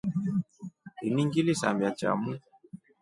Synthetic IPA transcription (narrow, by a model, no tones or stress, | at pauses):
iniŋɡilisa̰mbat͡ʃa̰mu